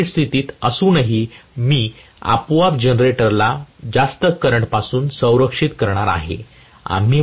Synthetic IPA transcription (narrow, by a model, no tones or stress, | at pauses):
ʈst̪ʰit̪iːt̪əsuːnəɦimiː | a̰pʋap̚d͡ʑənɾeʈəɾlad͡zast̪əkːəɾəɳʈpasuːnsə̃w̃ɾəkʂit̪kəɾɳ̃aɾa̰ɦḛ | a̰m̤iː